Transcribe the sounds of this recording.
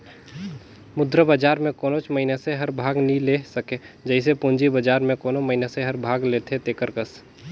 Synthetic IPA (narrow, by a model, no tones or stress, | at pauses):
mʊd̪ɾəbəd͡ʒaːɾmẽkoːnot͡ʃməɦɪneseɦəɾbʱaːɡnilesəked͡ʒəɪs̬epʊnd͡ʒibəd͡ʒaːɾmẽkoːnoməɦineseɦəɾbʱaːɡlet̪ʰet̪ekəɾkəs